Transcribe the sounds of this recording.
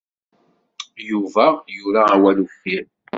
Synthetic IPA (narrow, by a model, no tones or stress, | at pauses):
juvæjuɾaːwælufin